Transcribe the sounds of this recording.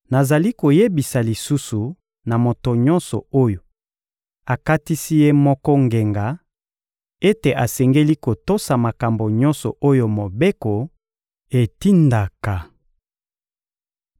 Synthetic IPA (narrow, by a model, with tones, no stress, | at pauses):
na˨za˨li˦ko˨je˦bi˨sa˨li˨su˦su˨ | na˨mo˨to˨ɲɔ̃˦nsɔ˨o˦jo˨ | a˨ka˦ti˦si˦je˦mɔ˦kɔ˦ŋɡe˨ŋɡa˨˦ | e˦te˨ʔa˨sɛ˨ŋɡe˦li˦ko˨to˦sa˨ma˨ka˨mbo˨ɲɔ̃˦nsɔ̰˨ʔo˦jo˨mo˨be˦ko˨ | e˨ti˦nda˨ka˨